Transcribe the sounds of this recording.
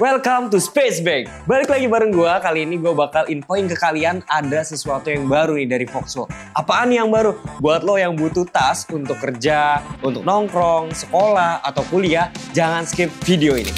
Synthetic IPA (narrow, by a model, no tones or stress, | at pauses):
wɛlkamt̪uspesbɛɡ̚ | balɪklaɡibaɾəŋɡuakaliːniɡuabakalinfoɪŋkəkalianadasəsuat̪ujaŋbaɾunidaɾifɔksɔʔapaːnijaŋbaɾubuat̪lɔhjaŋbut̪ut̪asunt̪ʊkːərd͡ʒaunt̪ʊk̚nɔŋkɾɔŋsə̥kolaha̰t̪awkuliad͡ʒaŋanskɪp̚fideoinḭ